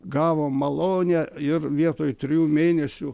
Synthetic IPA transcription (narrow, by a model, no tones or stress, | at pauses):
ɡɑːʋoːmːɐlˠoːnʲɛɪrʋʲiɛt̪oːjt̪ʲɾʲɪjuːmʲeːnʲɛsʲʊ